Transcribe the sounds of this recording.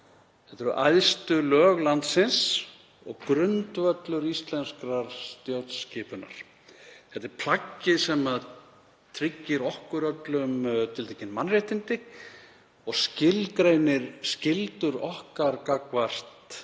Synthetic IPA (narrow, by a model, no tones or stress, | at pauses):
θɛht̪ɛɾʏʔa̰jðst̪ʏlœːɣlant̪sɪns | ɔ̰ɣkɾʏnt̪vœt̪lʏɾist̪lɛnskɾaɾ̥st̪jowt̪scɪːpʏna̰ɾ̥ | θɛht̪ɪɾ̥pʰl̥acːɪsɛmað | t̪ʰɾɪcːɪɾɔhkʏɾœt̪lʏmt̪ʰɪlt̪ʰeːcɪnmanreht̪ɪnt̪ɪ | ɔɣscɪlkɾejnɪɾ̥scɪlt̪ʏɾɔ̰hkaɾkakvar̥t̪